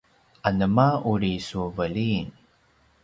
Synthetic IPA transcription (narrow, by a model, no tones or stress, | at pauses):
ʔanəmauɾisuvəlin